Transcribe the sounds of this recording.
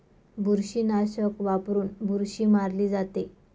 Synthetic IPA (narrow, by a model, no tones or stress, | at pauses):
bʱuɾɕiːnaɕəkʋapɾuːnbʱuɾɕiːmaɾliːd͡zat̪e